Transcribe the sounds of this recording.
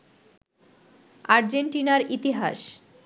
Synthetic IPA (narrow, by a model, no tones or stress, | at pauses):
aɾd͡ʑeɳʈinaɾit̪iɦa̰ʃ